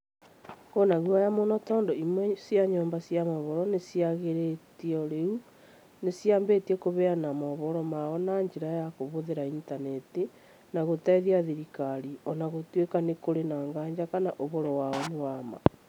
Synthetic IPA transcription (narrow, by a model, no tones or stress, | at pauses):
konaɣwajamonɔtɔːndɔimwɛsjaɲɔːmbasjamɔβɔɾɔnesiaɣeɾetiɔɾeu | nesjaːmbetiɛkoβɛanamɔβɔɾɔmaɔnaɲd͡ʒeɾajakoβoðeɾaintaneti | naɣotaiðiaðiɾikaɾiɔnaɣotwekanekoɾenaːŋɡaːɲd͡ʒakanaʔoβoɾɔwaɔnewama̰